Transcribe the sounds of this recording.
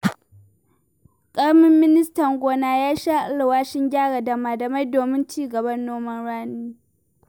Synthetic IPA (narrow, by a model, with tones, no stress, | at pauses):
kʼɐ˦ɽmɪ˦mːɪ˦nɪ˦stɐ˨ŋɡʷoː˨naː˦jaː˦ʃa˦ʔa˦lwaː˦ʃɪ˦ŋɡʲaː˦ɽa˨da˨maː˨dɐ˨ma˦jdoː˨mɪ˦nt͡ʃiː˦ɡɐ˨bɐ˦nːoː˦mɐ˦nɽaː˦niː˦